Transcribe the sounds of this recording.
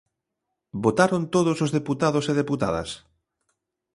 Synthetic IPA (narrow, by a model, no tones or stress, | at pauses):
bot̪aɾont̪oðosozðeput̪aðoseðeput̪a̰ðɐ̰s